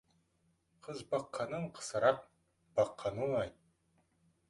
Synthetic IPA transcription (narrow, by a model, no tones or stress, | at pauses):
qʰəzbɑqʰːɑnəɴqʰə̥səɾɑq̚ | b̥ɑqʰːɑnəɑjt̪̚